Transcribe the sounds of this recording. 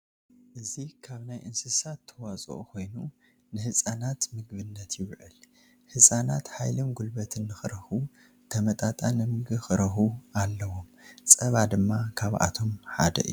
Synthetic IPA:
ʔɨzikʰaβnajʔɨnsɨsat̪ʰːɐwat͡sʼo̰ʔukʰo̞jnu | nɨhɨsʼanat̪mɨɡβɨnːɐt̪jɪβʕɨ̰l | hɨsʼanat̪ħajlomɡulbɐt̪ʰɨnːɨxɨɾɐxu | t̪ʰɐmɐt̪ʼat̪ʼanɨmɨɡɨxɨɾɐxualːɐwomt͡sʼɐβad̪ɨmːakʰaβa̰t̪ʰo̞mħa̰d̪ɐ̰ʔɨ̰ju

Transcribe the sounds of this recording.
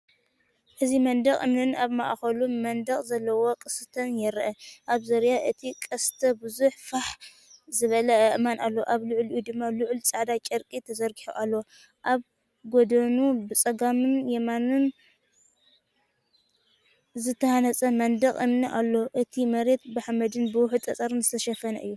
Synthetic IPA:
ʔɨzimɐnd̪ɐχʼʔɨmnɨnaβma̰ʔxɐlumɐnd̪ɐχʼzɐlːɐwo̞kʼɨsɨt̪ʰɐnjɛɾʔɐʔaβzɐɾjaʔɨt̪ʰikʼɐst̪ʰɐbɨzuħfaħ | zɨβɐlɐɐʔmanʔalːoʔaβlʊʕlʔjud̪ɨmːalʊʕlt͡sʼaʕd̪at͡ʃʼɐɾkʼit̪ʰɐzɐɾɡiħo̰ʔalːowo | ʔaβ | ɡod̪ɐnubɨt͡sʼɐɡamɨnjɛmanɨn | zɨt̪ʰːɐhanɐt͡sʼɐmɐnd̪ɐχʼʔɨmniʔalːoʔɨt̪ʰimɐɾe̞t̪bɨħamɐd̪ɨnbɨwʊħt̪ʼɐt͡sʼɐɾnzɨst̪ʰɐʃɐfɐnɐʔɨjːu

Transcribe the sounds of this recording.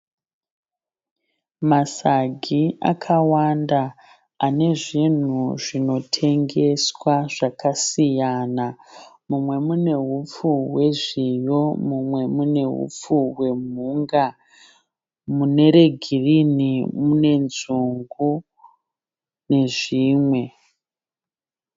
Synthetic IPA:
masaɡʱia̰kʰawanda | aːne̞ʐin̤uʐino̞tʰe̞ŋɡe̞swaʐ̥akasijanamumwe̞mune̞ɦup͡fuɦwe̞ʐijo̞mumwe̞mune̞ɦṵp͡fuɦwe̞m̤uŋɡa | mune̞ɾe̞ɡʱirinimune̞nzuŋɡu | ne̞ʐiːmwe̞

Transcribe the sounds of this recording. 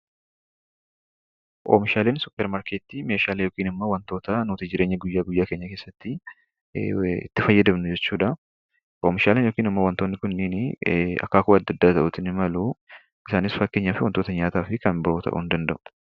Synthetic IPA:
ʔoːmɪʃaːleːnsʊpːɛɾmaɾkeːt̪ːime̞ːʃaːlejoːkiːnɪmːowɐnt̪o̞ːt̪ɐnuːt̪ɪd͡ʒɪɾʔe̞ːɲːɐɡʊjːaːɡʊjːaːke̞ːɲːɐke̞ːsːɐt̪ːɪ | ɪ̰t̪ːɪfɐjːɐd̪ɐbnʊd͡ʒɛt͡ʃːuːᶑɐ | ʔoːmɪʃaːleːnjokiːnɐmːɐwɐnt̪oːnːɪkʊnːɪnɐ̰kːaːkʊɐd̪ːɐd̪ːaːt̪ɐʔʊt̪ɪnɪmɐlu | ɪsaːnɪsfɐkːe̞ːɲːaːfɪwɐnt̪o̞ːt̪ɐɲaːt̪aːfɪkɐnbɪɾoːt̪ɐ̰ʔʊ̰nd̪ɐnd̪ɐ̰ʔʊ̥

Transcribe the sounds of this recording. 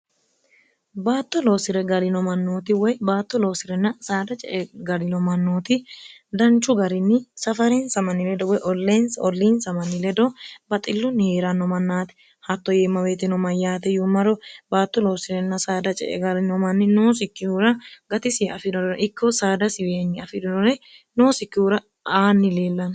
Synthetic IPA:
baːt̪ːɔlo̞ːsɪɾɛɡɐlɪnɔmɐnːoːt̪ɪwɔjbaːt̪ːɔlo̞ːsɪɾɛnːɐsaːd̪ɐt͡ʃʼɛ̰ʔɛɡɐɾɪnɔmɐnːoːt̪ɪd̪ɐnt͡ʃːʊɡɐɾɪnːɪsɐfɐɾɛnsɐmɐnːɪlɛd̪ɔwɔjʔɔlːeːnsɔlːiːnsɐmɐnːɪlɛd̪ɔbɐt̪ʼɪlːɔnheːɾɐnɔmɐnːaːt̪ɛ̥ | hɐt̪ːɔjeːmːɐweːt̪ɪnɔmɐjːaːt̪ɛjʊmɐɾɔbaːt̪ːɔlo̞ːsɪɾɛnːɐsaːd̪ɐt͡ʃʼɛ̰ʔɛ̰ɡɐɾɪnɔmɐnːɪnoːsɪkːɪhuːɾɐɡɐt̪ɪsɪɐfɪdɔɾɛnʔɪkːɔsaːd̪ɐsɪweːnːɪɐfɪd̪ɪnɔɾɛnoːsɪkːɪhuːɾɐ | aːnːɪleːlːɐn

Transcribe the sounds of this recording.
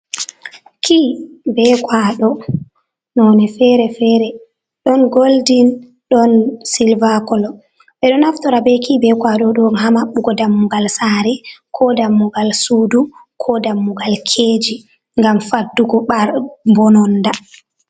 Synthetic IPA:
kʰibɛkwaɗɔ | nɔnɛfɛɾɛfɛɾɛ | ɗɔnɡoldin | ɗɔnsilvakɔlɔ | ɓɛɗɔnaftɔɾabɛkibɛkwaɗɔɗɔnɦamaɓːuɡɔdamːuɡalsaɾɛkʰɔdamːuɡalsuːdukʰɔdamːuɡalkʰeːd͡ʒi | ŋɡamfadːuɡɔɓaɾbɔnɔnda

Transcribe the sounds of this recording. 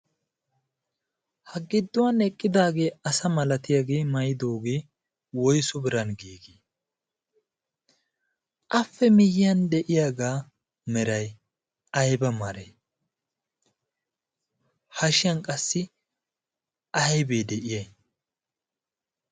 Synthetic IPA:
hɐɡɪd̪ːʊwɐnɛkʼːɪd̪aːɡe̞ːɐsɐmɐlɐt̪ɪjɐɡe̞ːmɐjɪd̪o̞ːɡe̞ː | wɔjsʊbɪɾɐnɡiːɡeː | ʔɐfːɛmɪjɪjɐnd̪ɛʔɪjaɡaː | mɛɾɐj | ɐjbɐmɐɾe | hɐʃɪjɐnkʼɐsːɪ | ɐjbeːd̪ɛʔɪjɐj

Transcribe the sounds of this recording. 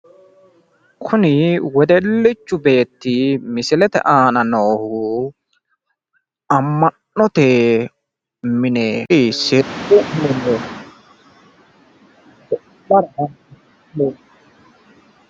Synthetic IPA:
kʰʊnɪwɔd̪ɛlːɪt͡ʃːʊbe̞ːt̪ːɪmɪsɪlɛt̪ɛ̰ʔaːnɐnoːhu | ɐmːɐnːɔt̪eː | mɪneːsɪʊmɪne | bɐɾɐɐn | e

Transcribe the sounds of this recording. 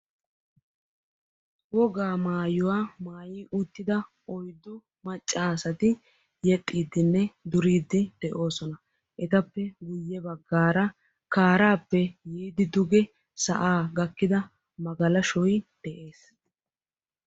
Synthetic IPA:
wɔɡaːmaːjʊwaːmaːjiːʔʊt̪ːɪd̪ɐ | ʔɔjd̪ːʊ | mɐt͡ʃʼːaːsɐt̪ɪ | jɛt̪ʼːiːd̪ːɪnːɛd̪ʊɾiːd̪ːɪd̪̥ɛʔo̞ːsɔnɐ | ʔɛt̪ɐpːɛɡʊjːɛbɐɡːaːɾɐ | kaːɾaːpːɛjiːd̪ɪd̪ʊɡɛ | sɐ̰ʔaːɡɐkːɪd̪ɐ | mɐɡɐlɐʃɔjd̪̥ɛʔe̞ːs

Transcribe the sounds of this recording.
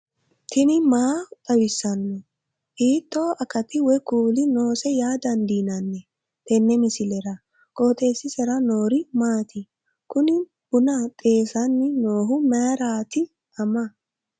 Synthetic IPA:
t̪ʰɪnɪmaːt̪ʼɐwɪsːɐnːɔ | hiːt̪ːoːʔɐkɐt̪ɪwɔkuːlɪno̞ːsɛjaːd̪ɐnd̪iːnɐnːɛ | t̪ɛnːɛmɪsɪlɛɾɐ | kʼo̞ːt̪ʼe̞ːsːɪsɛɾɐnoːɾɪmaːt̪ɪ | kʊnɪ | b̥ʊnɐt̪ʼe̞ːsɐnːɪnoːɦʊmɐjɾaːt̪ɪ | ɐmɐ

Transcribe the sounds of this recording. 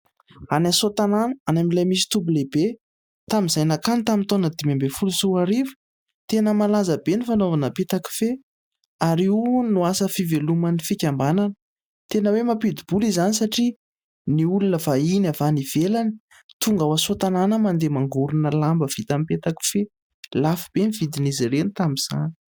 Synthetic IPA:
anasot̪ananəanamilajmis̬i̥t̪umbulebe | t̪amizajnakanit̪amit̪onəd̪imambefulusuaɾivə̥ | t̪enəmalazəbenifanovanəpet̪aki̥fe | aɾinuasəfivelumanifikʲambananə | t̪enəwemapid̪ib̥ulizanisaʈ͡ʂi | niulunəvainavaniv̥elani̥ | t̪uŋɡawasut̪ananəmand̪emaŋɡuɾunəlambəv̥it̪amipet̪aki̥fe | lafib̥eniv̥id̪iniziɾenit̪amiz̥a̰ni̥

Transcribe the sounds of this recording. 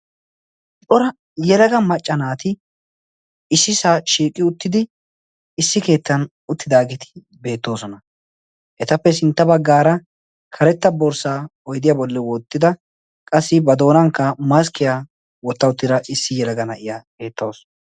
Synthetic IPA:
t͡ʃʼɔɾɐ | jɛlɐɡɐmɐt͡ʃʼːɐnaːt̪ɪ | ɪsːɪsaːʃiːkʼːɪʊt̪ːɪd̪ɪː | sːɪke̞ːt̪ːɐn | ʊt̪ːɪd̪aːɡɪt̪ʰɪ̥ | be̞ːt̪ːo̞ːsɔnɐ | ʔɛt̪ɐpːɛs̬ɪnt̪ːɐbɐɡːaːɾɐ | kʰɐɾɛt̪ːɐbɔɾsaːɔjd̪ɪjaːbɔlːɛwɔːt̪ːɪd̪ɐ | kʼɐsːɪbɐd̪o̞ːnɐŋkːɐmɐs̬kɪja | wɔt̪ːɐʊt̪ːɪɾɐʔɪsːɪjɛlɐɡɐnɐʔɪjake̞ːt̪ːoːsɔ̥

